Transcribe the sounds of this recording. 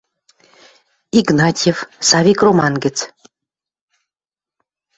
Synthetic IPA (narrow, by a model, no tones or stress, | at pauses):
iɡnɑtʲjefsɑvʲikromɑnɡɘ̆t͡s